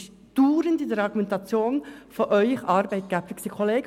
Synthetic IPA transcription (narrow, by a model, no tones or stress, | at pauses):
d̥uːɾəndɪdɛɾɑɡumɛntʰɑt͡sjoːnfɔʔœʏçʔɑɾbæɪt̚ɡ̥æpfɪksəkʰoleːɡ